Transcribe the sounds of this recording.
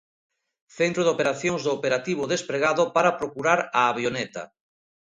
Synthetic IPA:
θent̪ɾoðopeɾaθjoŋzðoːpeɾat̪iβ̞oðespɾeɣaðopaɾapɾokuɾaɾaːβjonɛt̪a̰

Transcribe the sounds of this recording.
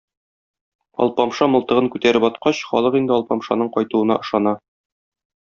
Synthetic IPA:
ɒ̰lˠpɒmʃɑmɤ̆lˠt̪ɤ̆ʁɤŋkʉt̪æɾɘpɒt̪qɑɕχɒ̰lˠɤqind̪ɘɒlˠpɑmʃɑnɤɴqɒjt̪uɤ̆nɑ̰ʔɤ̆ʃɑnɑ

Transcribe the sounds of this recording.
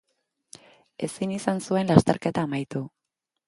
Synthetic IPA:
e̞sinisansue̞nlast̪e̞ɾke̞t̪aːmajt̪u

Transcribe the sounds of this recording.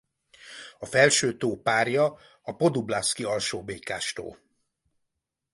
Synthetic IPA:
ɒfɛlʃøːt̪oːpaːrjɒ | ɒpo̞d̪ublaːskiɒlʃoːbeːkaːʃt̪o̰ːl

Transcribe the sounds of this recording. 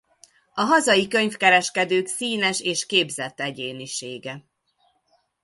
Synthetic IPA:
ɒɦɒzɒjikøɲfkɛɾɛʃkɛd̪øːksiːnɛʃeːʃkeːbzɛt̪ːɛɟeːniʃeːɡɛ

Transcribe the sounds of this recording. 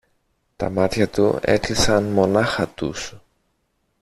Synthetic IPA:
t̪ɐ̰mɐt̪çɐt̪ṵe̞̰klisɐnmo̞nɐxɐt̪ṵs

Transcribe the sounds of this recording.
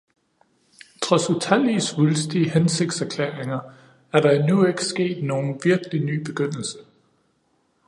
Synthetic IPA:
t͡sʰʁɒ̽sut͡sʰæl̰isʋulsd̥ihense̝ɡ̥̚d̥sæɐkʰlḛːɐeŋɐ | æɐɾ̥ɑ̈inue̝ɡ̥əsɡ̥e̝̰ːd̥no̝ːn̩ʋiɐɡ̥əliny̰ːb̥e̝ɡ̥øn̰l̩sə̥

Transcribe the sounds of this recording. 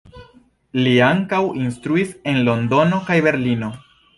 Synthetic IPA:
liaŋkawinstɾuise̞nlo̞ndo̞no̞kajbe̞ɾlino̞

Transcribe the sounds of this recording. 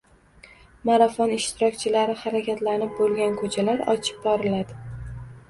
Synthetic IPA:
maɾafɒnɪʃt̪ɪɾɒk̚ʲt͡ʃʰɪlaɾɪhaɾakʲʰat̪lanɪp̚bolˠɡʲankʰɵt͡ʃʰalaɾɒ̰t͡ʃʰɪ̥p̚bɒɾɪlad̪ɪ

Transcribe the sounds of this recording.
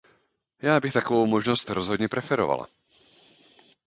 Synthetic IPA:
jaːbixt̪akɔʋuʊmɔʒnɔscɾɔzɦɔd̪ɲɛpɾɛfɛɾɔ̰ʋa̰la̰

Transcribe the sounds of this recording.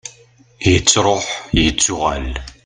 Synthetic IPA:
jət͡sːɾˤoħjət͡sːʊʁa̰l

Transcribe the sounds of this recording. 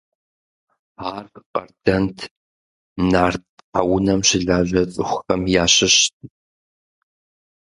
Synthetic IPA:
aːrqʼɐ̰rdɐntʰ | naːrtħawʊnɐmɕɪɮaːʑɐt͡sʼɨxʷxɐmjaːɕɪɕtʼ

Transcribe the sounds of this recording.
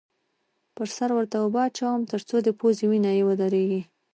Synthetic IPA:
pəɾsaɾwəɾt̪aʊbɑt͡ʃawəmt̪əɾt͡sod̪əpoziwinɑjewəd̪aɾeɡi

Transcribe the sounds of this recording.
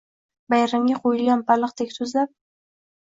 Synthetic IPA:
bajɾamɡʲaqʰojɪlɡʲanpalˠɨqt̪ʰekʲsɵzlap̚

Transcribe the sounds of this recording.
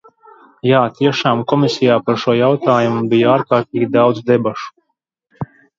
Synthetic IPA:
jaːt̪iɛʃaːmkɔmisijaːpaɾʃuɔjawt̪aːjumubijaːɾkaːɾt̪̚iːɡʲid̪awd̪zd̪ɛbaʃu̥

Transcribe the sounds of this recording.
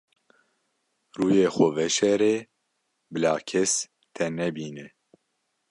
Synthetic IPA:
ruːjeːxʷɔvɛʃɛɾeː | bɨlaːkʰɛs | t̪ʰɛnɛbiːnɨ

